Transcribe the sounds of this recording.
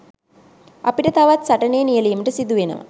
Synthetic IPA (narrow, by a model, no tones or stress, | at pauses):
apiʈət̪aʋat̪saʈɐneːnijəlijəməʈəsid̪uʋenə̰ʋa̰